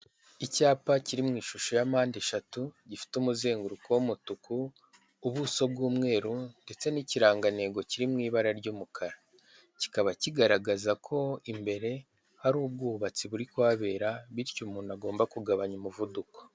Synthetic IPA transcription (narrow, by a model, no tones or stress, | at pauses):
icaːpaciɾimŋiːʃuʃojamaːndiʃatuɟifi̥tumuze̞ːŋɡuɾukowumutukuː | βuso̞b̚ɡuːmŋe̞ːɾunde̞t͡se̞niciɾaːŋɡane̞ɡo̞ciɾimŋiːβaɾaɾɟuːmukʰaɾa | ci̥kaβaciɡaɾaɡazakʰo̞imbe̞ɾe̞ | haɾuːb̚ɡuːβat͡siβuɾikwaːβe̞ːɾaβiɾcumuːnaɡo̞ːmbakuɡaβaɲumuvuduko̥